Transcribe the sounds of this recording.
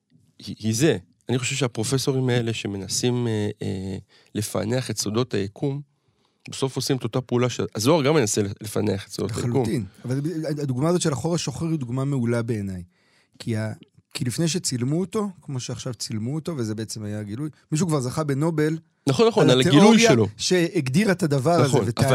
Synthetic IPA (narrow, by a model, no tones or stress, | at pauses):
hihize̞ | aniχoʃe̞vʃeapʁo̞fe̞so̞ʁimae̞leʃe̞me̞nasimḛ | lefa̰ne̞aχetso̞do̞t̪hajakʰum | beso̞fosimt̪ot̪apeulaʃeazoaʁɡamenaselefa̰neaχe̥tsodotajaluuinavalaad̪uɡmaazo̞tʃe̞laχo̞ʁaʃo̞χeʁid̪uɡmameulabe̞ːnaj | kʰiakilifne̞jʃ̬e̞t͡silmuot̪o̞kmo̞ʃeaχʃavt͡silmuot̪o̞vezebe̞et͡se̞majaɡilujmiʃ̬ukvaʁzaχabeno̞be̞l | naχonːaχoalnalaeɡilojʃjaeloʃe̞ːɡd̪iʁet̪ad̪avaʁnazenveta